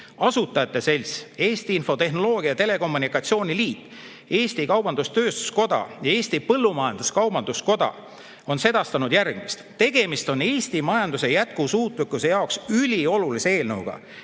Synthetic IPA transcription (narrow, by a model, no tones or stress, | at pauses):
ɑsut̪ːˑɑjɑt̪ːe̞se̞lʲse̞ːst̪iinfo̞t̪e̞hno̞lo̞ːɡ̥iɑt̪e̞le̞ko̞mːunikːˑɑt̪sio̞ːnʲiliːt̪ːˑ | e̞ːst̪ikɑwb̥ɑnd̪ust̪ø̞ːst̪u̥sko̞d̪̥ɑ̰jɑe̞ːsʲt̪ipɤlːumɑjɑnd̪̥uskɑwbɑnd̪̥usko̞d̪̥ɑ̰ | o̞nse̞d̪̥ɑst̪ɑnud̪̥jærɡ̥mist̪t̪e̞ɡ̥e̞mist̪o̞ne̞ːsʲt̪imɑjɑnd̪use̞jæt̪̚kusuːt̪ˑlikːˑuse̞jɑoksylʲio̞lulise̞e̞ːlnɤwɡ̥ɑ̰